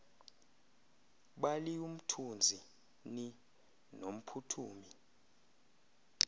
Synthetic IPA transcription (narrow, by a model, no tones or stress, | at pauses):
ɓalium̩tʰund͡zʱi | ni | nom̩pʰutʰuːmi